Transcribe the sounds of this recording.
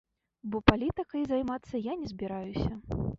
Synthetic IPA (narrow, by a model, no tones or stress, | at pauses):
bɔpalʲit̪ɨkɐjzajmat̪sːɐjanʲɛzʲbʲiɾajusʲɐ